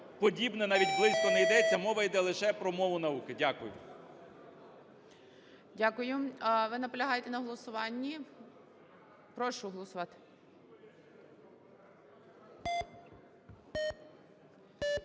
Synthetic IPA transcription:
pɔdʲibnɛnɑʋʲitʲblˠɪsʲkɔnɛjd̪ɛt͡sʲːɐmɔʋɐjd̪ɛlˠɪʃɛpɾɔmɔʋʊnɐukɪdʲakʊjʊ̰ | dʲakʊjʊʋɪnɐpɔlʲɐɦɑjet̪ɛnɐɦɔlˠɔsʊʋɑnʲːi | pɾɔʃʊɦɔlˠɔsʊʋɑt̪ɪ̥

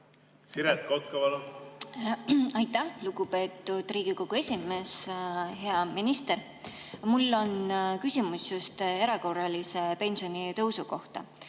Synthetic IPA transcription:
siɾet̪kot̪̚kɑvɑl | ɑjt̪ːæhluɡupe̞ːt̪ˑːud̪̥riːɡ̥iko̞ɡ̥ue̞sʲime̞sɦe̞ɑminist̪e̞ɾ | mulːo̞nkysʲimusjust̪e̞ɾɑko̞rːɑlise̞pe̞nsionʲit̪ɤwsuko̞ht̪ɑ̰

